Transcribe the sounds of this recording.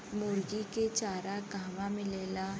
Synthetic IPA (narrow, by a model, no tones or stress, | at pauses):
moːɾɡiket͡ʃaːɾaɡaːʋamɪ̃leːla